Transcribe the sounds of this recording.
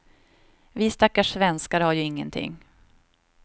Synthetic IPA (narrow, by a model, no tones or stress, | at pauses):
vɪːst̪akːaʂvɛnskaɾhaɾjɵɪŋːənt̪ʰɪ̰ŋː